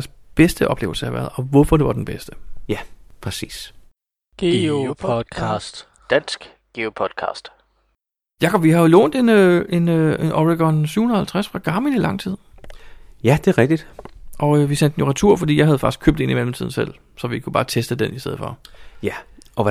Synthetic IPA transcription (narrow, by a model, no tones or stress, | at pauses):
sb̥esd̥əʔɒ̽b̥le̝ːʊlsəɑʋæːɐðˠɒ̽ʋɔfɒd̥e̝ʋɑ̈d̥enb̥esd̥əjæpʰʁɛsḭːs | ɡ̥eo̥ɑsd̥ | d̥æn̰sɡ̥ | ɡ̥eopʰɒd̥kʰɑ̰̈ːsd̥ | jɑkʰɒ̽bʋihɑ̈o̝lɔ̰ːnd̥e̝nøe̝nøʔɒʁiɡ̥ɒnsy̰ʊ̰hun̩ˠɐhælt͡sʰʁasfʁɑ̈ɡ̥ɑ̈ːminilɑ̈ŋ̰t͡sʰið̞̰ˠ | jæd̥eæɐʁɛɡ̥̚d̥id̥ʔɒ̽əʋisæn̰d̥noʁɑ̈t͡sʰuɐ̰fɒ̽d̥ḭjɑ̈ɦæð̞ˠfɑ̈ɡ̥isɡ̥kʰøb̥̚d̥e̝nimelmt͡sʰið̞̰ˠn̩sel̰ | sɒ̽ʋikʰub̥ɑ̈ːt͡sʰesd̥əd̥enisd̥eð̩̰̥ˠfɒ̽jæʔɒ̽